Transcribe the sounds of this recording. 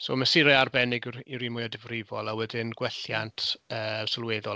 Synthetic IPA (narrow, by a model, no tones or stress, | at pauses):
so̰məsɪɾɛarbɛnɪɡiwɾimʊjadɪvrɪvɔlˠawɛdɪnɡwɛɬjantʰəːsəlˠweːðɔ